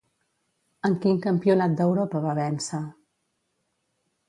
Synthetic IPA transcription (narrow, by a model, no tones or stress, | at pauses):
əŋkiŋkəmpiunat̪̚d̪əwɾɔpəβaβɛnsa